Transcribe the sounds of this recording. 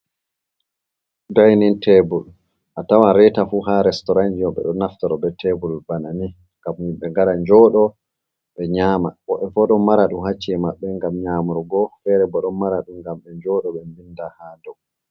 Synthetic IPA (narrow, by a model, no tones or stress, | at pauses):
dajnintʰɛbul | ʔatawanɾɛtafuhaɾɛstɔɾand͡ʒijɔɓɛ̰ɗɔnaftaɾɔbɛtʰɛbulubanani | ŋɡamniɓɛŋɡaɾaɲd͡ʒɔɗɔ | ɓɛɲaːmaɓɔɓɛfɔɗɔmaɾaɗumɦat͡ʃːiɛmaɓːɛŋɡamɲamuɾɡɔfɛɾɛbɔɗɔnmaɾaɗumɡamɓɛɲd͡ʒɔɗɔɓɛmbindahadɔɡ